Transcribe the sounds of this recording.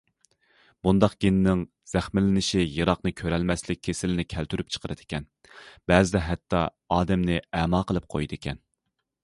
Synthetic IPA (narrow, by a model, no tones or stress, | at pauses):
b̥und̪ɑqɡ̥ʲinɪnɪŋ | z̥æχmɪlɪnɪʃijɨɾɑqnɨkʲʰøɾɛlmɛslɪk̚ʲʰːesɪlɪnɪkʲʰælt̪ʰyɾyp̚t͡ʃʰə̥qʰəɾɨd̪ɪ̥kʲɛn | b̥ɛːzɪd̪ɛɦɛt̪ːɑ | ɑːd̪ɛmnɪɛmɑːqəlˠɨp̚qʰo̰jd̪ɪkʲʰɛn